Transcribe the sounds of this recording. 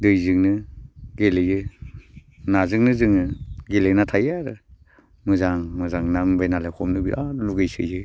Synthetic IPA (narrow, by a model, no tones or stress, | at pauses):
dɯjzɯŋnɯɡelejɯ | nazɯŋnɯzɯŋnɯɡelejnatʰajaɾɯ | mɯzaŋmɯzaŋnambajnalajkʰɔmnɯbialuɡɯjsɯ̰jɯ